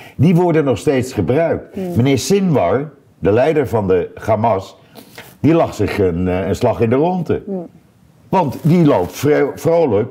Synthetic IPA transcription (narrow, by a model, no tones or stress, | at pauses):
diʋɔɹdənːɔχstejtsχəbrœɥk̚tmənɪːɹsɪnʋɑɹ | dəlɛjdəɹvɑndəχamɑs | d̥ilɑχsɪχənənslɑχɪndərɔntə̰ | ʋɑntdilowpfrowlək